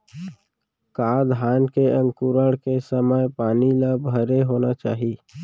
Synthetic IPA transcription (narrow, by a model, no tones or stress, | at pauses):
kaːd̪ʱɦaːnkeə̃ŋkuɾəɽkesəməjpaːniləbʱəɾeɦoːnat͡ʃaːɦi